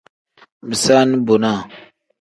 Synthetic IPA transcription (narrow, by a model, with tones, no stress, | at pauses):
bi˨sa˦ni˦bo˨na˦˨